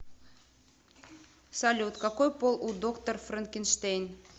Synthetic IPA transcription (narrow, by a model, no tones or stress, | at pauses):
sɑlʲut̪kɑkojpolˠud̪okt̪orfrənkʲinʃt̪ejn